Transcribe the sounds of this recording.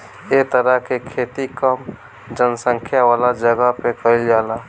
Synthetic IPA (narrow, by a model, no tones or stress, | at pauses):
et̪əɾəɦkekʰeːt̪ikəm | d͡ʒənsə̃ŋkʰjaʋaːlad͡ʒəɡəpekəild͡ʒaːla